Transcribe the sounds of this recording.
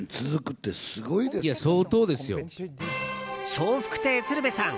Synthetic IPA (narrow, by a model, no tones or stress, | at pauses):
t͡sɨzɨkɯ̟t̪ːe̞sɨɡoid̪eijaso̞ːt̪o̞ːd̪e̞sɨjo̰ | ɕoːɸɯ̥kɯ̟̥t̪e̞ːt͡sɨɾɯ̟besãŋ